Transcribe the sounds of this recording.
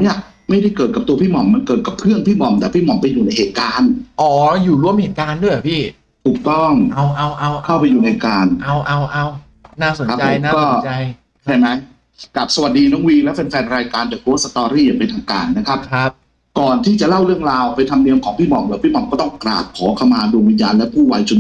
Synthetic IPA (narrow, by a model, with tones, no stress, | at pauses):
ni˥˩ɐ | ma˥˩jda˥˩jkɤː˨˩t̪̚ka˨˩p̚t̪u˧əpʰiː˥˩mɔ˨˩mːa˧nkɤː˨˩t̪̚ka˨˩p̚kʰɾɯ˥˩əŋpʰiː˥˩mɔ˨˩˦mt̪ɛː˨˩pʰiː˥˩mɔ˨˩mpa˧jːuː˨˩na˧jheː˨˩t̪̚kaː˧nʔɔː˨˩juː˨˩lu˧əmhe˨˦˩kaː˧ndu˥˩əjpʰiː˥˩ | t̪ʰuː˨˩k̚t̪ɔ˥˩ŋa˧wʔa˧wʔa˧wkʰa˥˩wpa˧jːuː˨˩na˧jkaː˧nʔa˧˩wʔa˧˩wʔa˧w | naː˥˩so˨˦a˦˥a˧˨˦kɔː˥˩t͡ɕj | t͡ɕʰa˥˩jma˦˥j | ka˨˩p̚sa˧wa˨˩t̪̚diː˧nɔː˨˦˥ŋwiː˧lɛ˦˥wpe˧nfɛː˧nɾaː˧jkaː˧nt͡ɕaː˨˩k̚t̪u˧˦sa˧t̪ɔː˧ɾiː˥˩ja˨˩ŋpa˧nt̪ʰaː˧ŋkaː˧nːa˦˥kʰa˦˥p̚ʰ | kɔː˨˩nt̪ʰiː˥˩t͡ɕa˨˩la˥˩wɾɯ˥˩əŋɾaː˧wpa˧jt̪ʰa˧mni˧əmkʰɔː˩˦ŋpʰiː˥˩mɔ˨˩mlɯː˦pʰiː˥˩mɔ˨˧˩mkɔː˥˩t̪ɔ˥˩ŋkɾa̰ː˨˩p̚ʰɔː˩˦kʰa˧wmaː˧du˧əŋwi˧njaː˧nlɛ˦˥pʰuː˥˩waː˧jt͡ɕʰo˧n